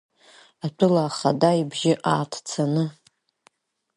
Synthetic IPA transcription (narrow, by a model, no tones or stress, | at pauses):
atʷʼʊlaːχadaibʒɪʔaːtʰt͡sʰanɨ